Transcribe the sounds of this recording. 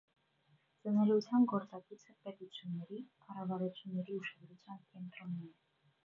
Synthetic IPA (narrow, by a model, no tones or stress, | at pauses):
t͡sənɛlut͡sʰjɑnɡɔɾt͡sɑɡut͡sʰəpɛt̪ut͡sʰjunːɛɾikʰɑrɑvɑɾut͡sʰjunːɛɾiuʃɑd̪ɾut͡sʰjɑnkɛnt̪ɾɔnɛ